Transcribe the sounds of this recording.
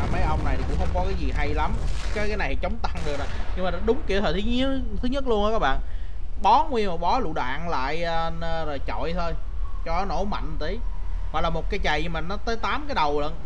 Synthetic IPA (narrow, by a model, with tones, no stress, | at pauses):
aː˨˩mə˨˦jʔə˧wŋ͡mna˨˩jt̪ʰi˨˩kʊ̰˧˥ŋ͡mxə˧wŋ͡mkɔ˨˦kaː˨˦jzi˨˩ɦa˧jla˨˦mkaː˨˦jkaː˨˦na˨˩jhjt͡ɕə˨˦wŋ͡mt̪a˧ŋɗɨ˨˩ək̚ɗa˨˦ɲɨ˧ŋmaː˨˩ɗɔ˨˦ɗʊ˨˦ŋ͡mki˧˩ət̪ʰəː˨˩t̪ʰɨ˨˦ɲ˦˥t̪ʰɨ˨˦ɲə˦˥t̚lu˧ənʔkaː˦˥ɓa̰ː˧˨n | ɓɔ˨˦ŋwi˧ənma˨˩ɓɔ˨˦lṵ˧˨ɗa̰ː˧˨nla̰ː˧˨jːzo˨˩t͡ɕɔ̰˧˨jt̪ʰo˧jt͡ɕɔ˧˨˦no̰˧˥ma̰˧˨ŋ̟t̪i˨˦va̰˨˩laː˨˩mo˨˩t̚kaː˨˦jt͡ɕa˨˩jmi˨˩ŋ̟nɔ˨˦t̪əː˨˦jt̪aː˨˦mkaː˨˦jɗə˨˩wlə˧n